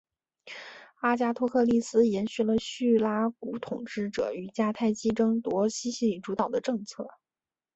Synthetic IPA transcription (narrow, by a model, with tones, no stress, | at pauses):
a˥t͡ɕja˥t̪ʰwɔ˥kʰɤ˥˧li˥˩sɹ̩˥jɛ˧˥nɕy˥˩lə˨ɕy˥˩la˥ku˧˥t̪ʰʊ˨˩ŋʈ͡ʂɻ̩˥˩ʈ͡ʂɤ̰˨˧˩y˨˩t͡ɕja˥t̪ʰa˥˩ɪt͡ɕi˥ʈ͡ʂɤ˥ŋt̪wɔ˧˥ɕi˥ɕi˥li˨˥˩ʈ͡ʂu˧˥t̪ɑ˨˩ʊd̪ə˦ʈ͡ʂɤ˥˧ŋt͡sʰɤ˥˩